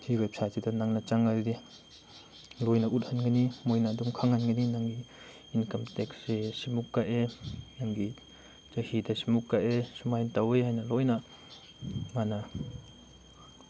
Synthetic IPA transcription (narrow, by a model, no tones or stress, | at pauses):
hiwejp̚sat͡ʃidanaŋnat͡ʃaŋːadi | lɔjnaʔut̚hanŋanimɔjnadumkʰaŋhanɡaninaŋiː | nkamtɛksesimukːaʔenaŋɡi | t͡ʃahidasimukːaʔesimajntaweɦajnalɔjnaʔ | mana